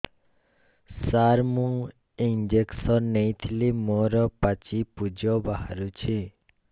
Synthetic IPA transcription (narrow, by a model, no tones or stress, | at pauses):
saɾmuŋ | ind͡ʒeksɔnːejt̪ʰilimoɾɔpat͡ʃipud͡ʒɔbaɦa̰ɾut͡ʃʰi